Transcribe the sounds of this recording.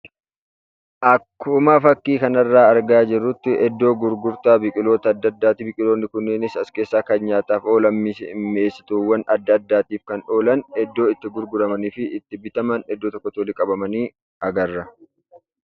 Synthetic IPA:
ʔɐkːʊmaːfɐkːiːkɐnɐrːaːɐɾɡaːd͡ʒɪrːʊt̪ːɪʔɛd̪ːo̞ːɡʊɾɡʊɾt̪aːbɪkʼɪlo̞ːt̪ɐːd̪ːɐd̪ːaːt̪ɪbɪkʼɪloːnːɪkʊnːenɪsɐske̞ːsːaːkɐnɲaːt̪aːfo̞ːlɐmːiːsɪɪmːeːsːɪ̥t̪uːwːɐnɐd̪ːaːd̪ːaːt̪iːfkɐnᶑo̞ːlɐnɛd̪ːo̞ːɪt̪ːɪɡʊɾɡʊɾɐmɐniːfɪɪt̪ːɪbɪt̪ɐmɐnɛd̪ːoːt̪ɔkːɔt̪oːlɪkʼɐbɐmɐniː | ɐɡɐrːɐ

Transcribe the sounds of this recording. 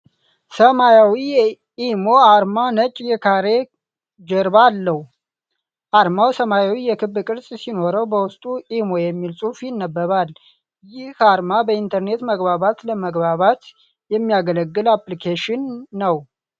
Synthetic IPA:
səmajawijɛ | imo̞aɾmanət͡ʃʼjɛkʰaɾe̞ | d͡ʒɛɾbalːəhu | ʔaɾmawsəmajawijɛkʰɨbːɨkʼɨɾsʼsino̞ɾəwbəwʊst̪ʼuʔimo̞jɛmːilsʼufjɪnːəbːəβal | jɪhaɾmabəint̪ʰəɾne̞t̪məɡbaβat̪ləməɡbaβat̪ | jɛmːijaɡələɡːɨlaplikʰeʃɪnːəw

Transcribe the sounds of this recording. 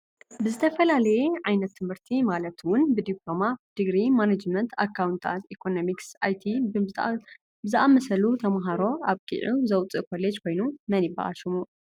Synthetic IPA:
bɨzɨt̪ʰɐfɐlalɐjeʕajnɐt̪ʰːɨmhɨɾt̪ʰimalɐt̪wʊnbɨd̪iplo̞mad̪̥ɨɡɾimanad͡ʒmɐnt̪ʰa̰kʰːawnt̪ʰa̰t̪ikʰo̞nomiksajt̪ʰi | bɨzɨʔamɐsɐlut̪ʰɐmɦaɾo̞aβkʼḭʕuzɐwt͡sʼɨkʰo̞led͡ʒkʰo̞jnumɐnjiba̰ʔa̰ʃumu

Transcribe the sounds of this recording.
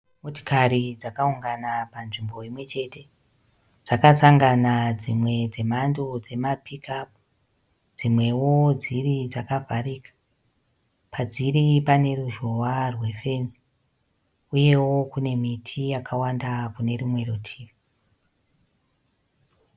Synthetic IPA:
moti̥kaɾid͡zakauŋɡanapanʐimbo̞imwe̞t͡ʃe̞te̞ | d͡zakasaŋɡanad͡zimwe̞d͡ze̞mandod͡ze̞mapikap̚ | d͡zimwe̞wo̞d͡zirid͡zakavʱaɾikḁ | pʰad͡ziɾipane̞ruʒowarwe̞fe̞nzi̥ | uje̞wokune̞mitʰijakʰawandakune̞rimwe̞rotʰiːʋi

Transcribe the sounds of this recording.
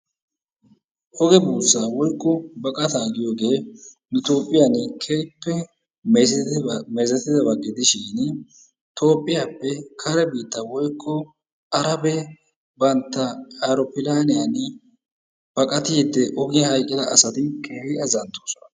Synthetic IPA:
ʔɔɡɛbuːsːawɔjkʰːɔbɐkʼɐt̪aːɡɪjo̞ːɡe̞ː | nʊt̪o̞ːpʼːɪjanɪkʰejpːɛ | meːzɐt̪ːɪd̪ɐbɐɡːɪd̪ɪʃɪːn | t̪ʰo̞ːpʼːɪjaːpːɛkʰɐɾɛbiːt̪ːɐwɔjkʰːɔ | ɐɾɐbɛ | bɐnt̪ːɐɐɾɔpɪlaːnɪjɐn | b̥ɐkʼɐt̪ɪɪd̪ːɛʔɔɡɪjɐhɐjkʼːɪd̪ɐːsɐt̪ɪnkʰeːhɪɐzɐnt̪ːoːsɔnɐ

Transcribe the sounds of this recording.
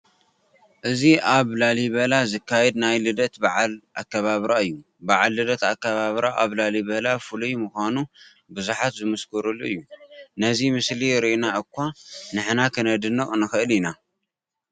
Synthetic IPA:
ʔɨziʔaβlaliβɐlazɨkːajɛd̪najlɨd̪ɐt̪baʕalʔakːɐβaβɾaɨjːu | baʕalːɨd̪ɐt̪akːɐβaβɾaʔaβlalibɐlafɨlujmɨxʷanu | bɨzuħat̪zɨmɨskʰɨɾuluɨjːunɐzimɨsliɾiʔinaʔɨkʷːanɨħnakʰɨnɐd̪ɨnːɨχʼnɨxɨʔɨlina

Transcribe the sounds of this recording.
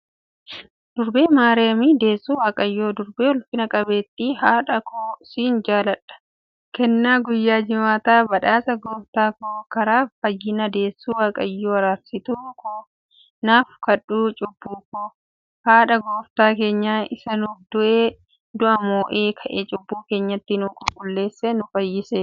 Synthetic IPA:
d̪̥ʊɾbeːmaːɾɛɐmiːd̪e̞ːsːuːwaːkʼɐjːoːd̪ʊɾbeːɔlfɪnɐkʼɐbeːt̪ːiːɦaːᶑɐkʰoːsiːnd͡ʒaːlɐᶑɐ̥ | kɛnːaːɡʊjːaːd͡ʒɪmaːt̪aːbɐᶑaːsɐɡoːft̪aːkoːkɐɾaːfɐjːɪnɐd̪e̞ːsːuːwaːkʼɐjːoːɐɾaːɾsɪt̪uːkʰo | naːfkɐᶑuːt͡ʃʼʊbːuːkoː | haːᶑɐɡoːft̪aːke̞ːɲːaːɪsɐnuːfd̪ʊʔeː | d̪ʊʔɐmoːʔeːkʰɐʔeːt͡ʃʼʊbːuːke̞ːɲːɐt̪ːɪnʊːkʼʊkʼʊlːe̞ːsːenʊfɐjːɪseː

